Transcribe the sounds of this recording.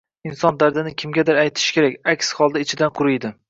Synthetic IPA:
ɪnsɒnd̪aɾd̪ɪnɪkʲʰɪmɡʲad̪ɪɾajt̪ʰɪ̥ʃkʲe̞ɾakʲakʲshɒlˠd̪aɪt͡ʃʰɪd̪anqʰʊɾɪjd̪ɪ

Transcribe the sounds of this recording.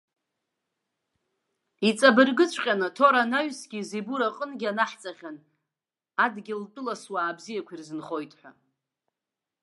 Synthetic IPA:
it͡sʼabɨrɡɨt͡ɕʷʰʼqʲʼanɨtʰo̞ɾanaɥsɡʲizibuɾaqʼənɡʲanaħt͡sʼaχʲan | adɡʲɪltʼɨlaswaːbzijakʷʰirzɨnχo̞jtʼħʷᶣa

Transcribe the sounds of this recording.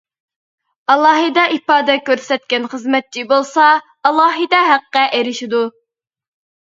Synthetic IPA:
ɑlˠɑːɦɨd̪ɛʔipɑːd̪ɛkʲøɾsɛt̪̚kʲɛnχəzmɛt̪̚t͡ʃʰibolˠsɑ | ɑlˠɑːɦɨd̪ɛɦæqːɛʔeɾɪʃid̪u

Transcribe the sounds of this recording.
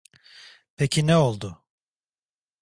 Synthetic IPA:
pʰecʰinɛo̞lˠd̪ʊ

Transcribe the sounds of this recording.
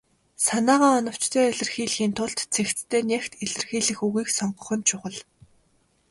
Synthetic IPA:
sanaːʁaːɔnɞ̆w̥t͡ɕt̪ʰeːiɮʲɘ̆rxiːɮxiːnt̪ʰʊɮt̪t͡sʰext͡s̪t̪ʰeːnʲjext̪iɮɘ̆rxiːɮɘ̆xuɣiːksɔɴɢɞ̆χɞ̆nt͡ɕʰʊχə̆ɮ

